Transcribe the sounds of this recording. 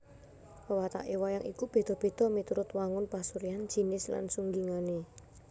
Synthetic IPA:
pəwat̪a̰ʔewajaŋʔḭkub̥e̤d̪̥ɔ̤b̥e̤d̪̥ɔ̤mit̪uɾʊt̪waŋʊnpasuɾiand̥ʒ̥i̤nɪsla̰nsuŋɡiŋane

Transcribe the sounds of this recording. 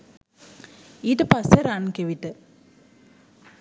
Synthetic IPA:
iːʈəpaseɾankeʋit̪ə

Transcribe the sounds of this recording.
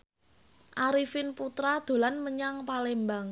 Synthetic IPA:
ʔaɾifɪnput̪ɾad̪̥o̤lanməɲaŋpalɛmbaŋ

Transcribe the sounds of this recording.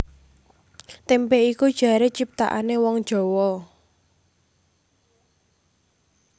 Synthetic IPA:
t̪empeikud̥ʒ̥a̤ɾet͡ʃip̚t̪a̰ʔanewɔŋ̥ʒ̥ɔ̤wɔ

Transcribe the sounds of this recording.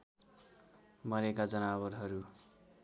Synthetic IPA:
mʌɾekad͡zʌnabʌrɦʌɾu

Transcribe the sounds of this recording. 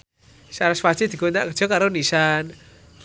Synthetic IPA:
saɾasfḁt͡ʃid̪ikunaʔkər̥d͡ʒ̥ɔ̤kaɾonisan

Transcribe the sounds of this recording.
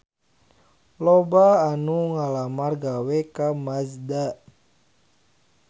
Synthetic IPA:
lobaːnuŋalamarɡawɛkamasda

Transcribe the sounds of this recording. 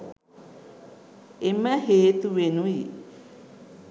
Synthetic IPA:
eməheːt̪uʋenui

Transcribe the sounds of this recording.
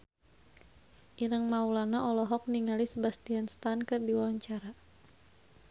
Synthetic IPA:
ʔiɾəŋmaulanaʔɔlɔɦɔk̚niŋalisəbast̪ianst̪ankərdiwawaɲt͡ʃaɾa

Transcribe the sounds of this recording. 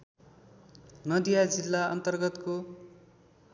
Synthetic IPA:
nʌd̪ijad͡zilːaʌ̰nt̪ʌrɡʌt̪ko

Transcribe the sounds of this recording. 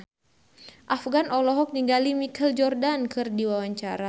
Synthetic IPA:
ʔafɡanɔlɔɦɔk̚niŋɡalimikʰɛld͡ʒɔrdankɨrdiwawaɲt͡ʃaɾa

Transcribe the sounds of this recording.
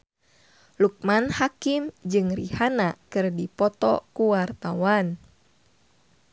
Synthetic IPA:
luk̚manhakimd͡ʒɨŋrihanakɨrdipɔt̪ɔ̰kuwart̪awan

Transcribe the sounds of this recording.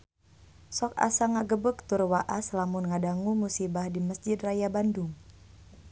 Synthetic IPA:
sɔka̰saŋaɡəbək̚t̪ʊrwaʔaslamʊnŋadaŋumusibahdiməsd͡ʒɪd̪rajabandʊŋ

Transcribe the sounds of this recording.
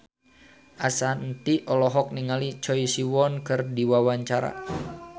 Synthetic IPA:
ʔasant̪iʔɔlɔɦɔk̚niŋalit͡ʃɔisiwɔnkɨrdiwawaɲt͡ʃaɾa̰

